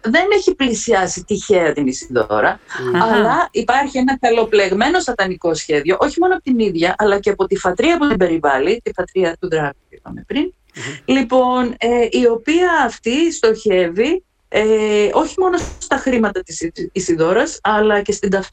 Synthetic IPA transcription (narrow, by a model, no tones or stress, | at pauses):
ðe̞neçiplisiɐsit̪içe̞ɐt̪inisiðo̰ɾɐɐlɐipɐɾçie̞nɐkɐlo̞ple̞ɣme̞no̞sɐt̪ɐniko̞sçe̞ðʝo̞ʔo̞çimo̞noɐpo̞t̪iniðʝɐʔɐlɐceɐpo̞t̪ifɐt̪ɾiɐput̪ibe̞ɾivɐlit̪ifɐt̪ɾiɐt̪uðɾɐɣ | ipɐ̰mepɾin | lipo̞neʔio̞piɐːft̪ist̪o̞çe̞vi | eo̞çimo̞no̞st̪ɐxɾimɐt̪ɐt̪isiisiðo̞ɾɐsɐlɐce̞st̪ind̪ɐf